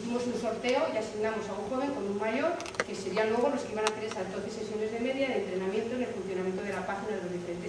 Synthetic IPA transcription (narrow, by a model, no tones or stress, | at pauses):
θimo̞sunso̞ɾt̪e̞oiasiɣnamo̞saũxo̞β̞eŋko̞nunmaʝo̞ɾ | ke̞se̞ɾianlwe̞ɣ̞o̞lo̞skeiβanafeɾesad̪oθese̞sjo̞ne̞zðe̞me̞ðjaðent̪ɾe̞namje̞nt̪oene̞lfun̟θjonamje̞nt̪oðe̞lapaxinaðelo̞zðife̞ɾe̞nt̪e